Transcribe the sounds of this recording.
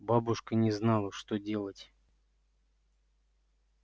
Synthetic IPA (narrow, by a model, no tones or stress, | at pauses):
babʊʂkənʲɪznalˠəʂt̪odʲe̞lˠətʲ